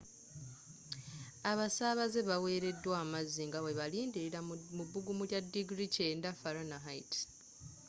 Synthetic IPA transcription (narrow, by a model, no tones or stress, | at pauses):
aβasaβaze̞βawe̞ːɾe̞dːwaːmazːiŋɡawe̞βaliːndiɾiɾamuβːuɡumuljadːiɡɾiceːndafaɾonaɦait